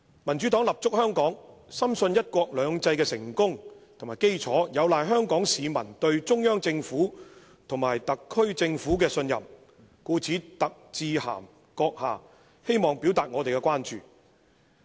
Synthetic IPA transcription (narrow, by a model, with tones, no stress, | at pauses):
mɐ˨˩nt͡ʃy˨˥t̪ɔː˨˥ŋlɐ˨˩p̚t͡sʊ˥k̚hœː˥ŋkɔː˨˥ŋsɐ˥msɵ˧njɐ˥t̚kʷɔː˧k̚lœː˨˧ŋt͡sɐ˧jkɛː˧sɪ˨˩ŋkʊ˥ŋt̪ʰo˨˩maː˨˩jke˥jt͡sʰɔː˨˥jɐ˨˧wlaː˨jɦœː˥ŋkɔː˨˥ŋsiː˨˧mɐ˨˩nt̪ɵ˧ɥt͡sʊ˥ŋjœː˥ŋt͡sɪ˧ŋfuː˨˥ | t̪ʰʊ˨˩ŋmaː˨˩jt̪ɐ˨kʰːɵ˥ɥt͡sɪ˧ŋfuː˨˥k̬ɛː˧sɵ˧njɐ̰˨˩m | kuː˧t͡sʰiː˨˥t̪ɐ˨k̚t͡siː˧ha̰ː˨˩m | kɔː˧k̚haː˨˩ | he˥jmɔː˨˩ŋpiː˨˥wt̪aː˨t̚ŋɔː˨˧t̪e˨jkɛ˧kwaː˥nt͡ʃyː˨